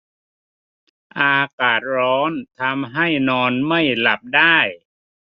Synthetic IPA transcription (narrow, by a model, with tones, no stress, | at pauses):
ʔaː˧kaː˨˩t̪̚ɾɔː˦˥nt̪ʰa˧mɦa˥˩jnɔː˧nma˥˩jla˨˩p̚daː˥˩j